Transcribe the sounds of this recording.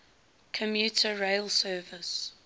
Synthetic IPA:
kʰəmjuːˑtʰəɹeɪlsɜːvɪs

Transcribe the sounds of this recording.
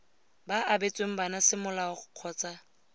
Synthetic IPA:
baʔabet͡sʼweŋ̩banasɪmʊlaʊχʊq͡χʰɔːt͡sʼa

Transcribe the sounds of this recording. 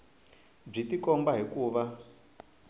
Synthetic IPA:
b͡ʐitikɔmbaɦikuːβa

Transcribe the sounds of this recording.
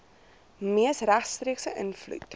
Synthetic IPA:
miəsræχtstriəksəʔənflṵt

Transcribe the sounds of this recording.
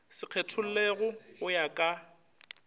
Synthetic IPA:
sɪq͡χʰetʰʊl̩leɣʊɣʊjakʼa

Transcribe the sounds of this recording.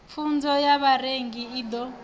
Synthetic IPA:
fund͡zɔjaβareŋɡiiːd̪ɔ

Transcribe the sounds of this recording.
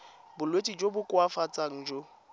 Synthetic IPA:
bʊlwetʼid͡ʒobʊkʼwafat͡sʼaŋ̩d͡ʒo

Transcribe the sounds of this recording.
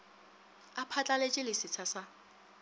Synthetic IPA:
apʰat͡ɬʼalet͡ʃʼɪlɪsɪt͡sʰasa

